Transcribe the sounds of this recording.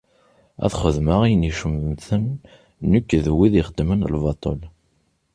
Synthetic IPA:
æ̰θχəðməʁijniʃəmmθənː | ukːðwiðiχəd̪ːmənlvɑt̪ˤol

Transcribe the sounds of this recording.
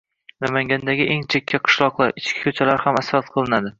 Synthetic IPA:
namaŋɡʲand̪aɡʲɪʔeŋt͡ʃʰekʲʰːaqʰɨ̥ʃlˠɒqlˠaɾɪt͡ʃkʲɪ̥kʲʰɵt͡ʃʰalaɾhamasɾat̪̚qʰɨlˠɪnad̪ɪ

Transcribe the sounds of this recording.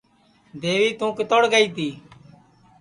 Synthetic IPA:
d̪eːʋiːt̪ũːkɪt̪oːɽɡəiːt̪iː

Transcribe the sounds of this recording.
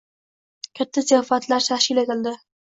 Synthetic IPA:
kʲʰat̪ʰːaszijɑfat̪laɾt̪ʰaʃkʲɪlet̪ɪld̪ɪ

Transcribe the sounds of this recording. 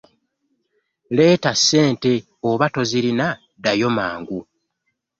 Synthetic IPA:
le̞ːtasːe̞ːnte̞ | oβato̞ziɾina | dajo̞maːŋɡu

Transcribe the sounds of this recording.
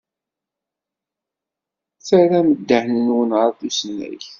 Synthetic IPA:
θæɾæməd̪ːəʕnənwənʁəɾˤθusənːæ̰ç

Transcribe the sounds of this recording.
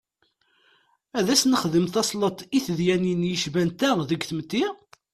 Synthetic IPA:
æðæsnəχðəmθɑsˤlət̪ˤiθðjæninjəʃvænt̪æʁðəɡθəmt̪ːi

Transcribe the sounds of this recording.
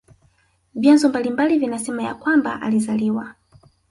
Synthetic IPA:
vjanzɔmbalimbalivinasɛmaja̰kwamba̰ʔa̰lizaliwa

